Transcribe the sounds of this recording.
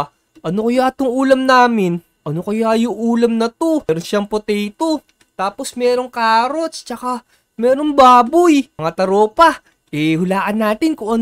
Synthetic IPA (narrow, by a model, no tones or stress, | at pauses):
ʔɐnokɐjat̪ʊŋʔuːlɐmnaːmɪn | ʔɐnokɐjajʊŋʔuːlɐmnɐt̪oɾonʃaŋpot̪ɛjt̪o | t̪aːposmɛːɾo̞ŋkaɾo̞st͡ʃɐka | mɛːɾoŋbaːbʊjmɐŋat̪ɐɾoːpɐ | ʔɛhʊlaːʔɐnːaːt̪ɪnkʊŋʔɐn